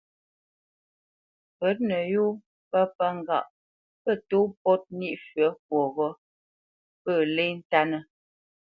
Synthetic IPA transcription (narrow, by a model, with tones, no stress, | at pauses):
pə˨˦t̚nə˨ju˦ | pə˦pə˦ŋ˨ɡa̰˨ʔ | pə˦˨to˦pɔ˦t̚ni˦ʔfɥə˨˦k̚wɔ˨ɣɔ˦ | pə˦˨le˦n̩˦ta˦nə˦